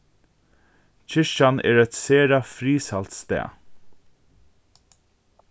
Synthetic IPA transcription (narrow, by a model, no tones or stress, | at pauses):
c͡çʰɪʃanɛ̰ːɹɛt̪seːɾafɾiːsalt̪st̪ɛ̰ː